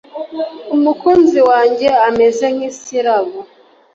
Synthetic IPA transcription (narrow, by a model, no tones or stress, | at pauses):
umukuːnziwaːɲɟe̞ame̞ze̞ŋ̥isiɾaβo